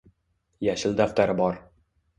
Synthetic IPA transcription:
jaʃɪld̪aft̪aɾɪbɒɾ

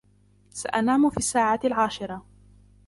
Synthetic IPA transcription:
sa̰ʔanaːmʊfiːasːaːʕaːlʕaːʃɪɾˤɑ

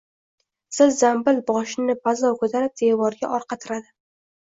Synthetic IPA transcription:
sɪzzambɪlbɒʃɪnɪbazɒkʰɵt̪ʰaɾɪp̚d̪evɒɾɡʲa̰ʔɒɾqʰɑt̪ʰɪɾad̪ɪ

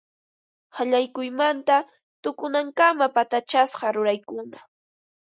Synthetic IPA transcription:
haʎajkʊjmant̪a | t̪ʊkʊnaŋkamapat̪at͡ʃasqɑɾʊɾajkʊna

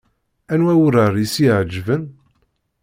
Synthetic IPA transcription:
ænwæwəɾəɾˤisiʕəd͡ʒːvən

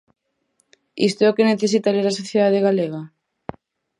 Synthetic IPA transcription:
ḭst̪oɛokeneθes̬it̪aleɾasoθjeðaðeɣaleɣa

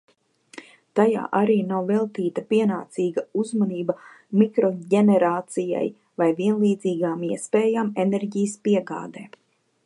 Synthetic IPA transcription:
t̪aja̰ːʔaɾiːnawvɛlˠt̪iːt̪apiɛnaːt̪siːɡauzmaniːba | mikɾɔɟenɛɾaːt̪sija̰j | vajviɛnlˠiːd̪ziːɡaːmiɛspɛːjamenɛɾɟijəspiɛɡa̰ːd̪eː

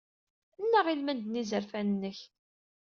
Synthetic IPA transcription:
ənːəʁilmænd̪nizəɾfænənːəç

